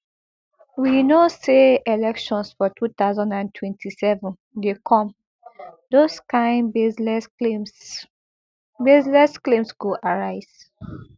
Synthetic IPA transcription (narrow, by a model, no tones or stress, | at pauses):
winoseelɛkʃɔ̃nsfɔtʰut̪aʊzãndãntʰwɛ̃ntʰisɛvɔ̃n | dekʰɔ̃m | doskãɪ̃nbeɛ | bezlɛsklẽmsɡoʔaɹaɪz̥